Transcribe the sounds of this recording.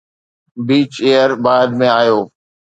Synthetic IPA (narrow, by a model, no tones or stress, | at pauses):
biːt͡ʃejəɾbaːd̪mẽaːjoː